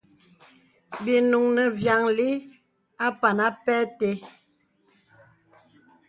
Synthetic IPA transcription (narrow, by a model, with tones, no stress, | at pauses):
bi˨nu˨ŋnə˨vja˨ŋli˦ | a˦pa˨na˦pɛ˦te˨˦